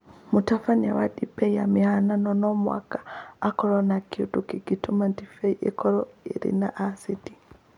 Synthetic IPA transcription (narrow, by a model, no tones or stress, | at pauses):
mutafana̰waɗibɛjamihananɔnɔmwa̰kḁːkɔɾɔnakiutukiɡitʰumantifɛiʔekʰɔɾɔḭɾḭnaʔasiti̥